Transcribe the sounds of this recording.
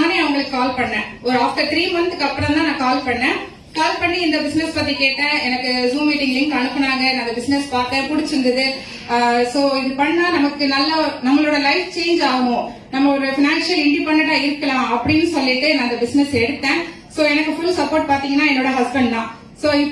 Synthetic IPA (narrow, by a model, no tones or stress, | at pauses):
neːɐʋɐŋɡɐɭɯkːɯkaːlpɐɳːɛ̃ | ɔɾɯaːfʈ̪ɐʈɾiːmʋɐnd̪ɯkːɐpːɯɽɐ̃mt̪aːnãːkaːlpɐɳːɛ̃ː | kaːlpɐɳːiɪnd̪ɐbɪsnɛspɐt̪̬ːikeːʈːɛ̃ːɛnɐkːɯzuːmmiːʈɪŋɡɐlɪŋɡ̪ɯɐɳɯpːɐnaːŋɡɐnaːɐnd̪ɐbɪsnɛspaːɾt̪ɛ̃pʊɽɪt͡ʃːɯɾɯnd̪ɐðɯ | soːɪðɯpɐɳːɐnaːnɐmɐkːɯnɐlːɐnɐmːɐɭoːɽɐlɐɪft͡ʃeːɲd͡ʒaːɣɐmõː | nɐmːɐɔɾɯfɪnaːnʂɐlɪɳɖipɐɳːɐɳʈːaːɪɾɯkːɐlãːɐpːɐɽɪnːɯsɔlːɪʈːɯnãːɐɪnd̪ɐbɪsnɛsɛɽɯt̪ːẽː | soːɛnɐkːɯfʊlsɐpoːɾʈ̚paːɾt̪iːŋɡɐnːaːɛnːoːɽɐɦɐsbɛɳɖnãː | soːɪ